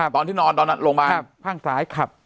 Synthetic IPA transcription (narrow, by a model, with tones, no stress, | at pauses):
t̪ɔː˧nt̪ʰiː˥˩ɔː˧nd̪ɔː˧nːa˦˧˥nɾoː˧ŋmaː˧˦˧ppʰaː˥˩ŋsaː˨˩˦jkʰa˨˩p̚